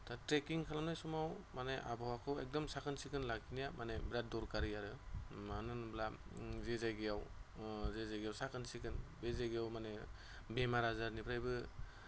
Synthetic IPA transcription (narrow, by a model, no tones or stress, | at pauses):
tatɾekiŋkʰalamnajsɔmawmanejʔa̰bawakʰɯwek̚dɔmsakʰɯnsikɯnlakʰinijamanejbɾat̚dɔɾkaɾijaɾɯmanɯnblazezajɡijawzezajɡijawsakʰɯnsikɯnbezajɡijawmane | bemaɾazaɾnipʰɾajbɯ